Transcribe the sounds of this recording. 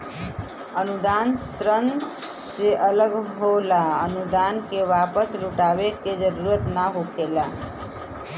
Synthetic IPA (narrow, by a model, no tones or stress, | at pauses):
ənud̪ansɾən | seʔələɡɦolaənud̪ankeʋapəsluʈabeked͡ʒəɾuɾət̪naɦokela